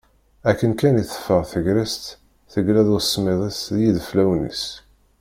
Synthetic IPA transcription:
ækːənkæniθə̥fːəʁθəʝɾæst̪ | θəɡlæðusˤːmeðˤisðjiðflæwnḭs

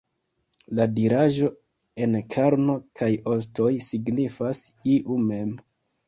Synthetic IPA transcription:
ladiɾaʒo̞ | e̞nkʰaɾno̞kʰajo̞sto̞jsiɡnifasiʔume̞m

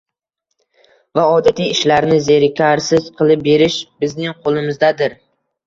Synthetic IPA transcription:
vaɒd̪at̪ʰijɪʃlaɾnɪze̞ɾɪkʲʰaɾsɪz̥qʰɨlˠɪp̚be̞ɾɪʃbɪznɪŋqʰolˠɪmɪzd̪ad̪ɪɾ

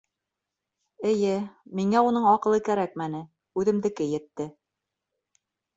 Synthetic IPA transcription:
ɘ̆jɘmiŋæunɤɴɑqɤ̆lˠɤkæɾæk̚mænɘ | ʉðɘ̆md̪ɘ̆kɘjɘ̆t̪ːɘ

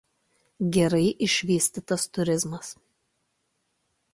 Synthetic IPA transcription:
ɡʲɛɾɐɪʔɪʃʲʋʲiːsʲt̪ʲɪt̪ɐst̪ʊɾʲɪzmɐs

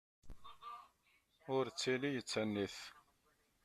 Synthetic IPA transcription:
ʊɾt͡sːilijət͡sːænːiθ

